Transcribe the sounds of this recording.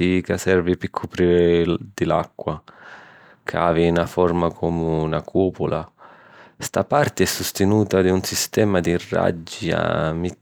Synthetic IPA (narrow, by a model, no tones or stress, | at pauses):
ikasɛɾvipɪkʰːupɾiɾd̪̥ɪla̰kːwa | kʰaːvinafɔɾmakʰɔmunakʰuːpula | st̪apart̪ɪɛsːust̪ɪnuːt̪ad̪iunsist̪ɛːmad̪irːa̰d͡ʒːia̰mi